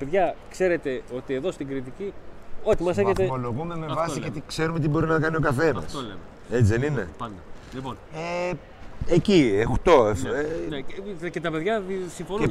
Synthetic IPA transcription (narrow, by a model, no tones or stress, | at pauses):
ɐpeðʝɐkse̞ɾe̞t̪e̞o̞t̪ie̞ðo̞st̪iɡɾit̪icio̞t̪imɐseçet̪eoloɣumemevɐsiʝeot̪ikse̞ɾumet̪ibo̞ɾinɐkɐnio̞kɐfe̞nɐ̰soleme | et͡siðenine̞̰pɐnd̪ɐlipone | eciext̪o̞efenecet̪ɐpeðʝɐsĩɱfone